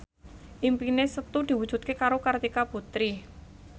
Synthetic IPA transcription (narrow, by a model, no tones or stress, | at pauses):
ʔimpinesət̪ud̪̥i̤wud̥ʒ̥ṳt̪̚kekaɾokart̪ikaput̪ɾi